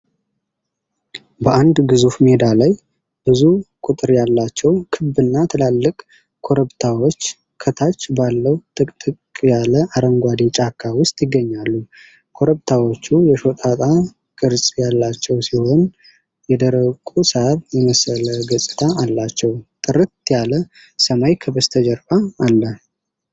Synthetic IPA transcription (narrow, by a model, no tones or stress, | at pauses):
bəʔand̪ɡɨzufme̞d̪alaj | b̥ɨzukʼut̪ʼɨɾjalːat͡ʃːɛwkʰɨbɨnːat̪ʰɨlalːɨkʼ | kʰo̞ɾəbt̪ʰawot͡ʃː | kʰət̪ʰat͡ʃːbalːəwt̪ʰʼɨkʼt̪ʼɨkʼkʼjaləʔaɾəŋɡʷad̪it͡ʃʼakʰːawʊst̪ʼjɪɡːəɲːalːu | kʰo̞ɾəβt̪ʰawo̞t͡ʃːujɛʃo̞t̪ʼat̪ʼa | kʼɨɾsʼjalːat͡ʃːɛwsiho̞n | jɛd̪əɾəkʼusəaβjɛməsələɡəsʼɨt̪ʰaːlːat͡ʃːɛwt̪ʼɨɾɨt̪jalə | səmajkʰəbəst̪ʰəd͡ʒəɾbaːlːə